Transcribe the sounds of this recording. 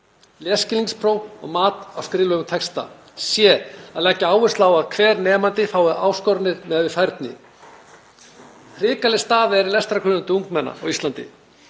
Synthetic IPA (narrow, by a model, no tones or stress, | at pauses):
ljɛːscɪliŋspʰɾoːwɔ̰ɣmaːt̪awskɾɪːlœɣʏt̪ʰɛkst̪a̰ | sjɛaðlɛcːaaːwvɪsaːwaðkʰvɛːɾnɛːmant̪ɪfaːwɪʔaːwskɔɾtnːɪɾ̥mɛðvɪθajɾt̪nɪ̰ | hɾɪːkalɪst̪aːðɪɛɾɪlɛst̪ɾakʰɾʏnʏnt̪ɪuŋknmɛnːa̰ɔ̰ɣist̪lant̪ɪ̰